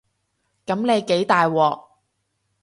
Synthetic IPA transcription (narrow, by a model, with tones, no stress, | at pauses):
kɐ˨˥mne˨˧jke˨˥jt̪aː˨jwɔː˨˩k̚